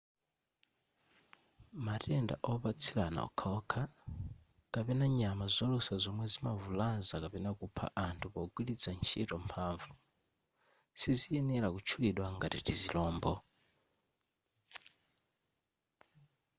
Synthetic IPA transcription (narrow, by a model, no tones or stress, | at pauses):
matɛnda̰ʔɔpat͡sʰilana̰ɔ̰kʰaɔkʰa | kapɛnaɲamazɔlusazɔmwɛzimavulanzakapɛnakupʰa̰ʔantʰupɔɡwilit͡sʰant͡ʃʰitɔmpʰaɱvu | sizijɛnɛɾakut͡ʃʰuliɗwaŋɡatḭtizilɔːmbɔ